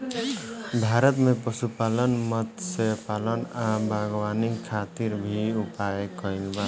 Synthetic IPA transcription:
bʱaːɾət̪mẽpəsupalənmət̪sepaːlənabaɡwanikʰːat̪iɾbʱiupaekəilba

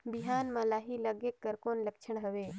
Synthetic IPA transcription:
bɪɦaːnmãlaːɦiləɡekːəɾkoːnləkt͡ʃʰəɽ̃ɦəʋeː

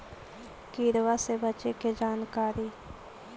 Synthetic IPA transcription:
kiːɾwasebət͡ʃeked͡ʒaːnkaːɾiː

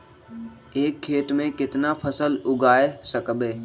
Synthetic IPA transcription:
eːkʰːeːt̪mẽkɪt̪napʰəsəlʊɡaːesəkbeː

